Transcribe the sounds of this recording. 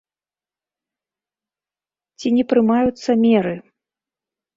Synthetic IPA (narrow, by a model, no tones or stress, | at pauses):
t͡sʲinʲɛpɾɨmajut̪sːɐmʲɛɾɨ